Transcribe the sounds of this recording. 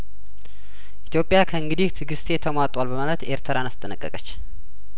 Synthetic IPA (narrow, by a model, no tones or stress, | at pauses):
ʔit̪jo̞pʼːjakʰəɨŋɡɨd̪iht̪ʰɨɡɨst̪ʼe̞t̪ʰəmwat̪ʼwalbəmalət̪e̞ɾt̪ʰəɾanast̪ʼənəkʼːəkʼət͡ʃː